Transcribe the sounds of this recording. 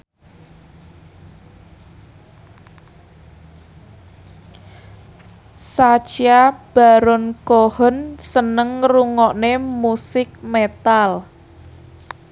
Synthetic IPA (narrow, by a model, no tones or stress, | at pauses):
sat͡ʃiab̥a̤ɾɔnkohənsənəŋruŋɔʔnemusɪk̚met̪al